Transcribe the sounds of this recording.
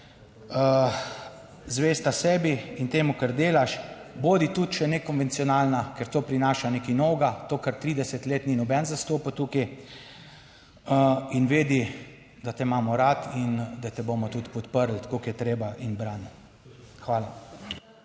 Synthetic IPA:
ə | zʋeːst̪asɛːbiint̪eːmukəɾd̪eːlaʃboːd̪it̪ut̪ʃɛnɛkɔnʋɛnt̪siɔnaːlnakɛɾt̪oːpɾinaːʃanekinɔwɡat̪oːkaɾt̪ɾiːd̪ɛsɛt̪leːt̪ninɔbɛnzast̪oːpət̪uːki | əinʋeːd̪i | d̪at̪ɛmaːmɔɾat̪ind̪at̪ɛboːmɔt̪ut̪pɔt̪pəɾlt̪ḁkokijɛt̪ɾeːbaʔinbɾan | xʋaːla

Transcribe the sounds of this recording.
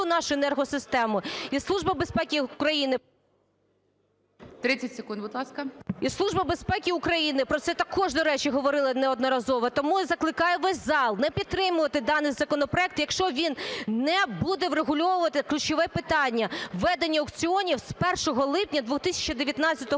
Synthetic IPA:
ʊnɑʃʊenɛrɦɔsɪst̪ɛmʊislˠuʒbɐbespɛkʲikɾɐjinɪ | t̪ɾɪt͡sʲɐtʲsekund̪bʊd̪lˠɑskɐislˠuʒbɐbespɛkʲiʊkɾɐjinɪpɾɔt̪sɛt̪ɐkʰɔʒd̪ɔɾɛt͡ʃiɦɔʋɔɾɪlˠɐnɛɔd̪nɔɾɐzɔʋɐt̪ɔmuzɐklˠɪkɑjɛʋɛsʲzɑlˠnɛpʲid̪̚t̪ːɾɪmʊʋɐt̪ɪd̪ɑnɪjzɐkɔnɔpɾɔɛk̚t̪jɐkʃt͡ʃɔʋʲinnːɛbud̪ɛʋɾeɦʊlʲɔʋʊʋɐt̪ɪklʲʉt͡ʃɪʋɛpɪt̪ɑnʲːɐʋɛd̪enʲːɐɔkt͡sʲiɔnʲiwspɛrʃɔɦɔlˠɪpnʲɐd̪ʋut̪ɪsʲɐ̥t͡ʃɐd̪eʋʲjɐt̪nɑt͡sʲɐt̪ɔ

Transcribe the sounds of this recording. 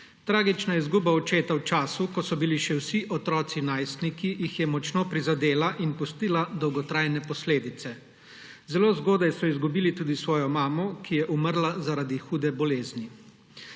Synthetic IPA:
t̪ɾaːɡit͡ʃnaɛzɡuːbaɔt͡ʃeːt̪awt͡ʃaːsukɔsɔbiliʃɛwsiʔɔt̪ɾɔːt̪sinaːjst̪nikijixjɛmɔt͡ʃnoːpɾizad̪eːlaʔinpust̪iːlad̪ɔwɡɔt̪ɾajnɛpɔsleːd̪it̪sɛ | zɛloːzɡoːd̪ajsɔizɡubiːlit̪uːd̪isʋɔːjɔmaːmɔkijɛʔuməɾlazaɾad̪ixuːd̪ɛbɔleːzni

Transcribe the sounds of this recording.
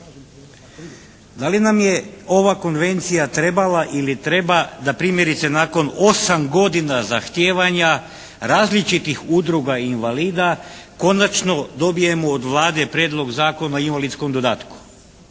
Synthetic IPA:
d̪alinamje̞o̞ʋako̞nʋe̞nt̪sijat̪ɾe̞balaʔilit̪ɾe̞bad̪apɾiːmje̞ɾit̪se̞naːko̞no̞samɡo̞d̪inazaxt̪jeːʋaɲa | ɾaːzlit͡ʃit̪ixud̪ɾuɡainʋaliːd̪ako̞nat͡ʃno̞d̪o̞bije̞moːd̪ʋlˠaːd̪e̞pɾjeːd̪lˠo̞ɡzaːko̞naoinʋalit̪sko̞md̪o̞d̪aːt̪ku̥

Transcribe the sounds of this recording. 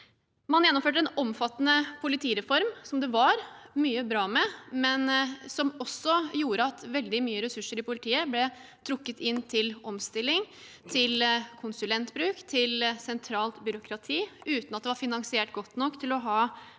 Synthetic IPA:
mɑnjɛnːʊmføːʈ̬əɛnɔmfɑt̪ːənəpʰʊlɪt̪ʰiːɾɛfɔɾmsɔmd̪ɛʋɑɾmyːəbɾɑːmɛmɛnsɔmɔsːɔjuːɾəɑt̪ʋɛld̪ɪmyːəɾɛsʉʂəɾɪpʊlɪt̪ʰiːəblɛt̪ʰɾʊkːət̪ʰɪnːt̪ʰɪlɔmst̪ɪlːɪŋ | t̪ʰɪlkʰʊnsʉlɛnt̪bɾʉːkt̪ʰɪlsɛnt̪ʰɾɑːlt̪bʏɾʊkʰɾɑt̪ʰiːʉːt̪nɑt̪̚d̪ɛʋɑɾfɪnɑŋsɪeːʈɡɔt̪ːnɔkːt̪ʰɪlɔɦɑː

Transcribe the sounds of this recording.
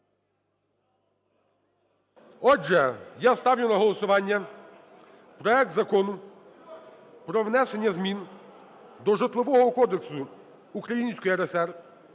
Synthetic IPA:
ɔd͡ʒɛjast̪ɑwjʲʊnɐɦɔlˠɔsʊʋɑnʲːɐ | pɾɔɛk̚t̪zɐkɔnʊ | pɾɔʋnɛsenʲːɐzmʲin | d̪ɔʒet̪lˠɔʋɔɦɔkɔd̪eksʊ | ukɾɐjinʲsʲkɔjiɛɾɛsɛr

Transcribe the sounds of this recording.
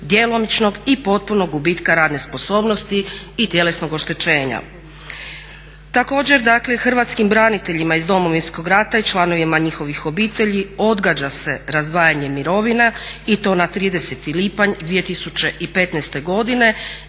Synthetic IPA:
d̪jelo̞mit͡ʃno̞ɡipo̞t̪̚puno̞ɡɡubiːt̪kaɾaːd̪ne̞spo̞so̞ːbno̞st̪iːt̪jele̞sno̞ɡo̞ʃt̪e̞t͡ʃe̞ːɲa̰ | t̪ako̞ːd͡ʑe̞ɾd̪aklexr̩ʋat̪skimbɾanit̪e̞ʎimaizd̪o̞mo̞ʋinsko̞ɡɾat̪ait͡ʃlˠano̞ʋimaɲixo̞ʋixo̞biːt̪e̞ʎio̞d̪ɡad͡ʑase̞ɾazd̪ʋaːjaɲe̞miɾo̞ʋinait̪o̞ːnat̪ɾiːd̪e̞set̪ilipaɲd̪ʋije̞t̪isut͡ɕe̞ʔipe̞t̪nɛst̪e̞ɡo̞d̪ine̞

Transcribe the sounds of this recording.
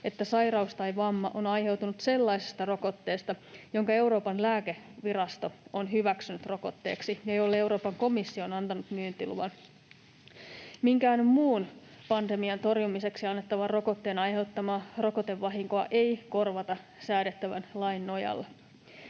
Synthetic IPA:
e̞t̪ːæsɑjɾɑust̪ɑjʋɑmːɑ̰ʔonɑjhe̞wt̪unut̪se̞lːɑise̥st̪ɑro̞ko̞t̪ːe̞ːst̪ɑjo̞ŋkɑe̞wɾo̞ːpɑnlæːkeʋirɑst̪o̞onɦyʋæksynyt̪ro̞ko̞t̪ːe̞̰ːksijɑjolːee̞wɾo̞ːpɑŋko̞misːio̞nɑnt̪ɑnut̪myːnt̪ilṵʋɑn | miŋkæːnmmuːn | pɑnt̪emiɑnt̪o̞rjumise̞ksiɑnːet̪ːɑʋɑro̞ko̞t̪ːe̞ːnɑjɦe̞wt̪ːɑmɑːro̞kot̪e̞ʋːɑɦiŋkoɑʔejko̞rʋɑt̪ɑ | sæːɾet̪ːæʋænlɑjnːo̞jɑ̰lːe

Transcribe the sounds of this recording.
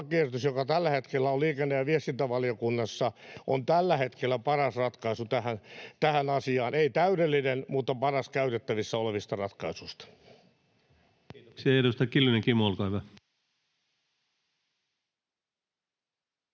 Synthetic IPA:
kiert̪ysjokɑt̪ælːæhet̪kelːæoliːkenːejɑʋiest̪int̪æʋɑlijokunːɑsːɑʔo̰nt̪ælːæhet̪kelːæpɑrɑsrɑt̪kɑisut̪æhænt̪æhænɑsiɑːneit̪æydelːinenmut̪ːɑpɑrɑskæyt̪et̪ːæʋisːɑoleʋist̪ɑrɑt̪kɑisuist̪ɑ̥ | ksiɑeɾust̪ɑkilːineŋkimolkɑiʋæ

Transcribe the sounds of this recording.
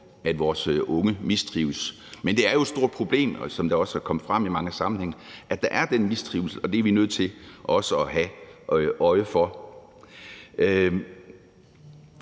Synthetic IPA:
æd̥ʋɒːsʔɔ̽ŋəmisd̥ʁiːʊs | mend̥e̝æɐjo̝edsd̥o̝ɐd̥̚pʰʁo̝b̥le̝̰ːmsɒ̽md̥ɑ̈ɒ̽sæɐkʰɒ̽məfʁɑ̈m̰imɑ̈ŋəsɑ̈mn̩heŋ̩ʔæd̥ɑ̈ʔæɐd̥enmisd̥ʁiːʊl̩səɒ̽d̥e̝æɐʋinøð̞̰ˠt͡sʰe̝lʔɒ̽səɒɦæ | ʔɒ̽ɪəfɒ̽

